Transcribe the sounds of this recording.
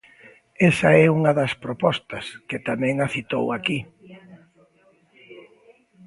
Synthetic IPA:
ɛsɐɛuŋɐðɐspɾopɔst̪ɐskɪt̪amɛ̃ŋaθit̪owaki

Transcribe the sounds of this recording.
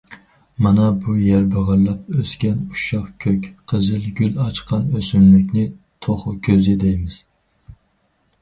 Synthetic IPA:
manɛbʊjæɾbɨʁɨɾlap̚øskʲanʊʃɑχkʲʰøkʲqʰɨzɪlɡʲylɑt͡ʃqʰɑnøsymlɪkʲnɪ | t̪ʰoχʊkʲʰøzɪd̪ejmɪz̥

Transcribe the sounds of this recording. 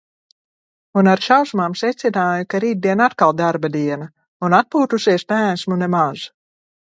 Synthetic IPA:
unaɾʃawsmaːmsɛt̪sinaːjukaɾiːd̪̚d̪iɛnat̪kalˠd̪aɾbad̪iɛna | unat̪̚puːt̪usiɛsmæːnsmunemaz̥

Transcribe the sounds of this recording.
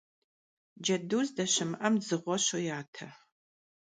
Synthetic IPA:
d͡ʒɐduːzdɐɕɪmʔɐmzɨʁʷɔɕojaːtʰɐ

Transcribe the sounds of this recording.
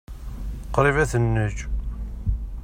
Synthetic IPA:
qɾivæθənːəd͡ʒ

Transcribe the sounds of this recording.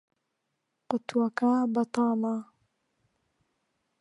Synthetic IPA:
qʊt̪wakabɐt̪ɑːma

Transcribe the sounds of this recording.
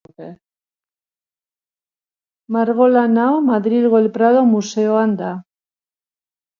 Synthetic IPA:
e | maɾɣ̞o̞lanaomaðɾilɣoelpɾað̞o̞muse̞oand̪a

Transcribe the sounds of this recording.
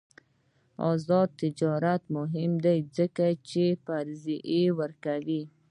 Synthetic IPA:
ɑ̰zɑd̪̚t̪ɪd͡ʒɑɾat̪mʊɦɪmd̪ajzəkat͡ʃepaɾziʔewəɾkawi

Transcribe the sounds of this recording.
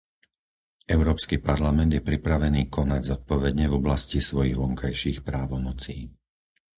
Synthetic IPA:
ɛʊɾɔːpskiːpaɾlamɛnd̪jɛpɾipɾaʋɛniːkʰɔnaɟzɔt̪̚pɔʋɛd̪ɲɛvɔblascisʋɔjiɣʋɔŋkajʃiːxpɾaːʋɔnɔt͡siː

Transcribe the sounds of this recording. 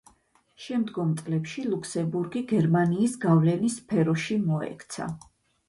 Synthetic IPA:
ʃɛmd̪ɡɔmt̪sʼlɛpʃilˠuksɛmbuɾɡiɡɛɾmaniːsɡavlɛnispʰɛɾɔʃimɔɛ̰kʰt̪sʰa̰

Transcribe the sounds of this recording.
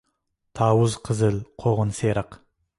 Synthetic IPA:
t̪ʰɑwəzqʰəzəlqʰoʁənseɾɑq

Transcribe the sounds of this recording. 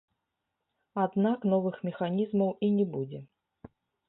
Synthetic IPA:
ad̪naknɔvɨxmʲɛxanʲizmɐwinʲɛbud͡zʲɛ

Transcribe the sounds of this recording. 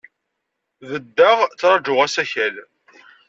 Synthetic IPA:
ðəd̪ːəʁt͡sːɾˤɑd͡ʒʊʁæsæçæl

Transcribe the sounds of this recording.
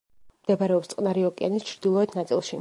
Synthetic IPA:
md̪̥ɛbaɾɛɔpst̪sqʼnaɾiɔkʼia̰nist͡ʃʰɾd̪ilˠɔɛt̪ʰnat̪sʼḭlˠʃi

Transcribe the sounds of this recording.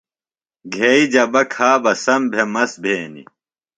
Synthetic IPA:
ɡʱeid͡ʑɐbɐkʰaːbɐsɐmbʱemɐsbʱeːnḭ

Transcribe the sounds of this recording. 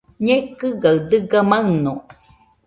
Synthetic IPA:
ɲekɯɡaɯd̪ɯɡamaɨno

